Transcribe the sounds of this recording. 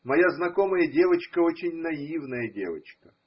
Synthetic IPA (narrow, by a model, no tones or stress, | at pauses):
mɐjaznɐkoməjədʲe̞vət͡ɕkəo̞t͡ɕɪnʲnɐivnəjədʲḛvə̰t͡ɕkə̥